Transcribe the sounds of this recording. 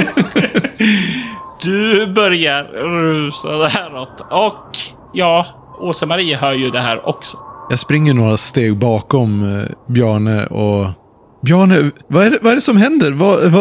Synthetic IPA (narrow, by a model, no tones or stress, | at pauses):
d̪̥ɵbœɾjaɾɾʉ̟ːsad̪ɛhæːɾɔt̪ːɔk | jɑː | uːsəmaɾiːəɦœːɾjɵd̪ɛɦæ̰ːɾɔ̰ksɔ̥jɑːɡspɾɪŋːəɳoːɾast̪eːɡ̚bɑːkɔmbjœːɳəʔɔ | bjœːɳəvaæɖɛvaæɖɛsɔmhɛnd̪əɾvav